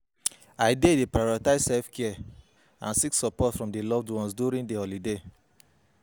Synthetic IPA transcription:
aɪdedepɾajɔɾitaɪzsɛlfkʰɛɛ | ã̰nsiksɔpɔtfɹɔ̃mdelɔvdwɔ̃nsduɾĩndehɔlide

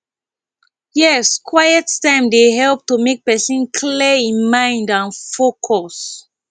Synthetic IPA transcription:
jɛskʰwajəttãɪ̃mdeɦɛlp̚tumek̚pɛsɔ̃nkʰliĩnmãɪ̃ndãnfokʰɔs

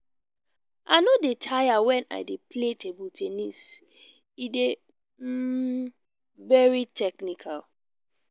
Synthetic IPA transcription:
ʔanodetʰajawɛ̃na̰ɪdepletʰebultʰenis | ide | vɛɹitʰɛknikʰal

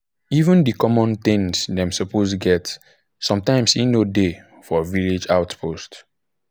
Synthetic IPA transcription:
ivə̃ndikɔmɔ̃nθɪ̃ŋsdɛ̃msɔpʰostɡɛt | sɔ̃mtãɪ̃msinode | fɔviled͡ʒawtpʰost

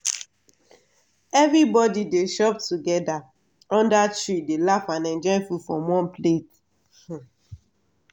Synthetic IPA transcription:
ɛvɾibɔdideʃɔp̚tuɡɛda | ɔ̃ndatɹidelafãnɛ̃nd͡ʒɔɪfufɹɔ̃mwɔ̃nplet

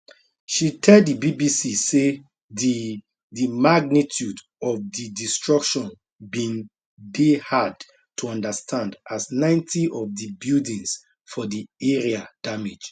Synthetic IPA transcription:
ʃitʰɛldibibisise | di | dimaɡ̚nitʰjud | ɔvdidistɹ̥ɔkʃɔ̃n | bĩn | dehad | tʰuɔ̃ndəstʰãndʔasnãɪ̃ntʰiʔɔvðibjudĩns | fɔdiɛɹiad̥amed͡ʒ

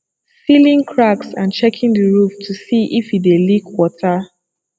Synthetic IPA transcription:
silĩŋkʰɹaksãnt͡ʃɛkʰɪ̃ŋdəɹuftʰusiʔifidelikwɔtʰə

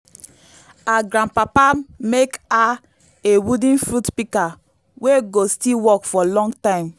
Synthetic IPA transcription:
aɡɾãnpapameka | ewudĩnfɹutpika | weɡostiwɔkfɔlɔ̃ŋɡtãɪ̃m

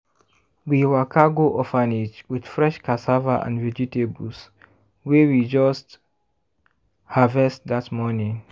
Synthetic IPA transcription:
wiwakʰaɡoʔɔfanit͡ʃwid̥fɹɛʃkʰasavaʔã̰nvɛd͡ʒitebus | wɛwid͡ʒɔst | havɛstðatmɔnĩŋ

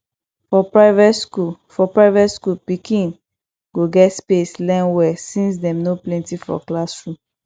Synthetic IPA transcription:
fɔpɹaɪvɛskufɔpɹaɪvɛtskupikĩn | ɡ̥oɡɛtspeslɛ̃nwɛsĩns̬dɛ̃mnoplɛ̃ntifɔ̰klasɹũm

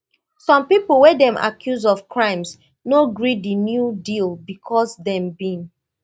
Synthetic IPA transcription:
sɔ̃mpipl̩wɛdɛ̃ma̰kʰjuzɔfkʰɹãɪ̃ms | noɡɹiinjudilbikʰɔsdɛ̃mbĩn

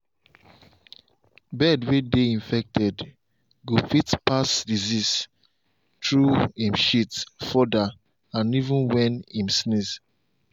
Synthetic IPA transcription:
bɛdwedeĩnfɛk̚tɛd | ɡofitpasdizis | tɹuĩmʃitfɔda | ãnivũnwɛ̃nĩmsniz

